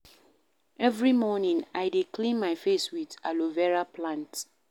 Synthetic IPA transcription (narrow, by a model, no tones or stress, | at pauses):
ɛvɹimɔnĩŋaɪdekʰlĩnːaɪfeswiðalovɛɹapʰlãnt